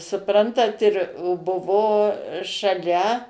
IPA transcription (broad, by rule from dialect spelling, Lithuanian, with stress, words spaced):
sʊˈprɐntɐt ɪr oː ˈbʊʋoː ʃɐˈlʲɛ